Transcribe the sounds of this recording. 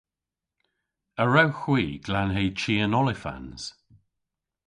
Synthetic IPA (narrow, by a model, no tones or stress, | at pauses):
əɹawxwiːɡ̥lanɦejt͡ʃiːənɔlɪfa̰nz̥